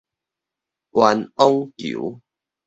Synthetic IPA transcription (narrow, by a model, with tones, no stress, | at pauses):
ʔwa˧nɔ˦ŋkṵ˨˦